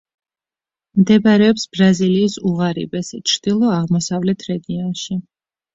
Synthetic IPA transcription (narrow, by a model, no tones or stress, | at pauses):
md̪ɛbaɾɛɔpsb̥ɾaziliːsuʁaɾḭbɛst͡ʃʰɾd̪̥ilˠɔaʁmɔsavlɛt̪ʰɾɛɡiɔnʃi